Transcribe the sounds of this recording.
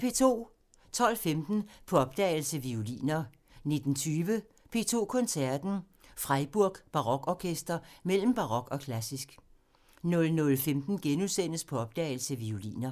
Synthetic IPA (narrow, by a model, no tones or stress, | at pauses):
pʰe̝ːt͡sʰo̝̰ː | t͡sʰɒ̽l̰femd̥n̩pʰɒ̽ɒ̽b̥d̥ɛːɪl̩səʋiulḭːnɐ | ne̝d̥n̩t͡sʰyːʋə | pʰe̝̰ːt͡sʰo̝̰ːkʰɒ̽nsæɐd̥n̩ | fʁaɪb̥uɐɡ̥b̥ɑ̈ʁɒ̽ɡ̥ɒːkʰesd̥ɐmel̰m̩b̥ɑ̈ʁɒ̽ɡ̥ɒ̽kʰlæsisɡ̥ | nɔ̽lnɔ̽lfemd̥n̩ɡ̥enuðˠsen̰əspʰɒ̽ɒ̽b̥̚d̥ɛ̰ːɪl̩səʋiulḭːnɐ